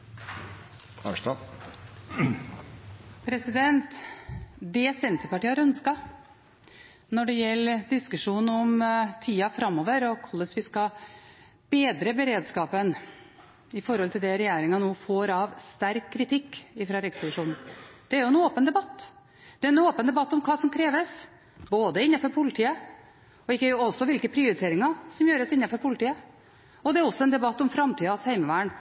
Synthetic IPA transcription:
æ̰ʂɑ | pʰɾɛsɪd̪ɛnt̪ | d̪ɛsɛnt̪əɾpɑʈiːəhɑɾœnskɑ | nɔɖɛjɛlːəd̪ɪskʉʂuːnn̩ɔmt̪ʰiːɑfɾɑmːɔːʋəɾɔkʰɔlːəsʋɪskɑ | b̥eːd̪ɾəbɛɾeːd̪skɑːpən | ɪfɔɾhɔlt̪ʰɪld̪ɛɾɛjeːɾɪŋɑnuːfoːɾɑʋst̪æɾkʰːɾɪt̪ʰɪkːɪfɾɑɾɪkspɔlɪʂuːnn̩d̪̥ɛæɾjʊɛnoːpənd̪ɛbɑt̪ː | d̪̥ɛɾɛnoːpənd̪ɛbɑt̪ːɔmkʰɑːsɔmkʰɾeːʋəs | boːd̪əɪnːɑfɔɾpʰʊlɪt̪ʰiːə | ɔɪkːəɔsːɔʋɪlkəpʰɾɪʊɾɪt̪ʰeːɾɪŋɑɾsɔmjøːɾəsɪnːɑfɔɾpʰʊlɪt̪iːə | ɔd̪ɛæɾɔsːɔɛnd̪ɛbɑt̪ːɔmfɾɑmt̪iːd̪ɑɔshæɪməʋæːɳ

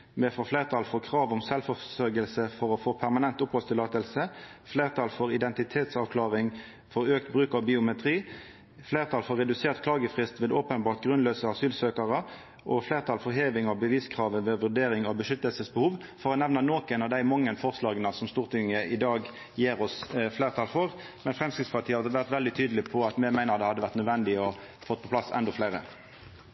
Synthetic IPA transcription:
mɛfɔfleːʁət̪ʰɑːlfɔʁkʰʁɑːʋʊmsɛlfɔsœɾɡəlsəfɔɾɔfoːpʰæʁmɑnɛnt̪ʊphɔst̪ɪlɑːt̪əlsəfleːʁt̪ʰɑːlfɔʁɪd̪ɛnt̪ɪt̪ʰeːt̪sɑːʋkʰlɑːʁɪŋ | fɔɾøːk̚t̪bʁʉːkɑʋbɪʊmɛt̪ʰʁiː | fleːʁt̪ʰɑːlfɔʁːɛd̪ʉseːʁt̪kʰlɑːɡəfʁɪst̪ʋeːd̪oːpənbɑːʁt̪̚ɡʁʉnløːsəɑsyːlsøːkəʁə | ʔɔfleːʁt̪ʰɑːlfɔʁɦeːʋɪŋɑbəʋiːskʰʁɑːʋənʋeːʋʉʁd̪eːʁɪŋɔbəʃʏt̪əlsəsbəhuːʋfɔʁɔnɛʋnənoːkɛɪnɑʋd̪æɪmɔŋːənfɔʁslɑːɡənəsɔmst̪uːʁt̪ʰɪŋːəʔɪd̪ɑːɡ | jeːʁɔsfleːʁt̪ʰɑːlfɔʁ | mɛnfʁɛmskʁɪt̪spɑʁt̪iːəhɑd̪əʋæʁt̪ʋɛld̪ɪt̪ʰyːd̪lɪpʰɔɑt̪mɛmæɪnəʁd̪ɛhɑd̪ːəʋæʁt̪nœd̪ʋɛnd̪ɪɔfɔt̪̚ːpʰɔpʰlɑsɛ̰nd̪ɔfleɪɾə̰

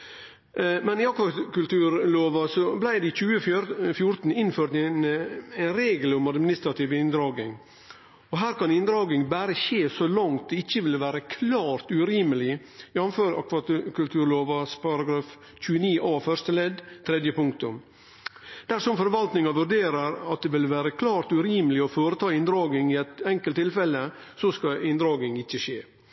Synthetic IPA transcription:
mɛniɑkʋɑkʉlt̪ʉːɾloːʋɑsɔblæɪd̪ɛc͡çʉːəfjʊɾt̪n̩ɪnføːɾt̪ɛnæɪnɾeːɡəlʊmɑd̪mɪnɪst̪ɾɑt̪iːʋɪnd̪ɾɑːɡɪ̰ŋ | ɔɦæːɾkɑnɪnd̪ɾɑːɡɪŋbæːɾəçeːsɔlɑŋt̪̚d̪ɛɪçːəʋɪlʋæːɾəkʰlɑːɾt̪ʉɾiːməlɪ | jɑʋnføːɾɑ̰kʰʋɑkʉlt̪ʰʉːɾɭoːʋɑspʰɑɾɑɡɾɑːf | c͡çʉːəniːʔɑːfœʂt̪əlɛd̪t̪ʰɾɛd̪jəpʊŋkt̪ʊm | d̪̥æʂɔmfɔɾʋɑlt̪nɪŋɑʋʉɾɖeːɾəɾɑt̪̚d̪ɛʋɪlʋæːɾəkʰlɑːɾt̪ʉɾiːməlɪɔfoːɾət̪ʰɑːɪnd̪ɾɑːɡɪŋɪɛt̪ɛŋkəlt̪ʰːɪlfɛlːə | sɔskɑɪnd̪ɾɑːɡɪŋɪçːəʃeː

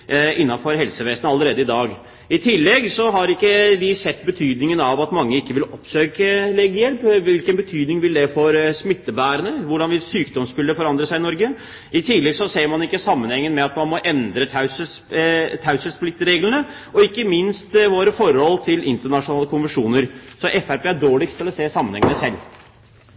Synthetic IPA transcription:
ɪnːɑnfɔɾɦɛlsəʋeːsənəɑlːəɾeːd̪əɪd̪ɑːɡ | ɪt̪ʰɪlːɛɡsɔɦɑɾɪkːəd̪ɪsɛt̪ːbət̪ʰyːd̪nɪŋənɑʋɑt̪mɑŋːəɪkːəʋɪlɔpsøːkəlɛɡjɛlpʋɪlkənbət̪ʰyːd̪nɪŋʋɪld̪ɛfɔɾsmɪt̪ːəbæːɾənəʋʊɖɑnʋɪlsyːkd̪ɔmskʉlːəfɔɾɑnd̪ɾəsæɪnɔɾɡə | ɪt̪ʰɪlɛɡsɔseːɾmɑnɪkːəsɑmːənhɛŋːənmɛɑt̪mɑnmɔʔɛnd̪ɾət̪ʰɑʉsə | t̪ʰɑʉsəsplɪt̪ːɾeːɡlənə | ɔɪkːəmɪnst̪ʋoːɾəfɔɾhɔlːt̪ʰɪlʔɪnt̪əɳɑʂʊnɑːləkʰʊnʋənʂuːnəɾsɔʔɛfæɾpeːæɖoːɭɪkt̪ʰɪlɔseːsɑmːənɛ̰ŋənəsɛlː

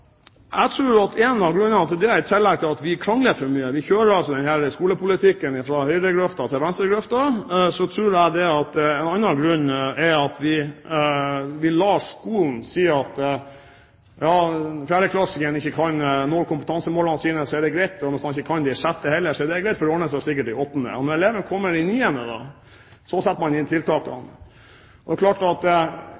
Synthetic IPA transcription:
ʔæɡt̪ʰɾʉːɾɑt̪ʰɛːnɑɡɾʉnːəɑt̪d̪ɛæɾt̪ʰɪlːɛɡ̚t̪ʰɪlɑt̪ʋɪkʰɾɑŋləfɔɾmyːəʋɪçøːɾəɾɑlsɔd̪ɛnhæɾəskuːləpʊlɪt̪ʰɪkːənɪfɾɑhœʏd̪əɡɾœft̪ɑt̪ʰɪlʋɛnst̪ɾəɡɾœft̪ɑsɔt̪ʰɾʉːɾæd̪ɛɑt̪ɛnɑnːɑɡɾʉnːɛɾɑt̪ʋɪ | ʋɪlːɑːʂkuːln̩siːɑt̪ | jɑːfjæːɾəkʰlɑskəənɪçːəkʰɑnnoːɾkʰʊmpət̪ɑnsəmoːlɑnsiːnəsɔɛd̪ɛɡɾɛɪt̪ːnɔst̪ɑnɪçːəkʰɑnd̪ɪʂæt̪ːəhɛlːəʂɔɛɖ̪ɛɡɾɛɪt̪fɔɖɛɔɳəsæsɪkːəʈ̚d̪ɪɔpənə̰ɔnɔɾɛleːʋənkʰɔmːəɾɪniːɛnəd̪ɑ̰ | sɔsɛt̪ːəmɑnɪnt̪ʰɪlt̪ʰɑːkɑ̰n | ɔd̪ɛklɑːʈɑt̪

